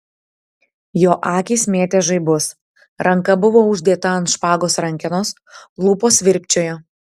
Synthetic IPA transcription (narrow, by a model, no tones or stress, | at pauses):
joːʔɑːkʲiːsmʲeːt̪ʲɛʒɐɪbʊs | ɾɐŋkɐbʊʋoːʊʒʲd̪ʲeːt̪ɐɐnt̪ʃpɑːɡoːsɾɐŋʲkʲɪnoːs | lˠuːpoːsʋʲɪɾʲpʲt͡ʃʲoːjoː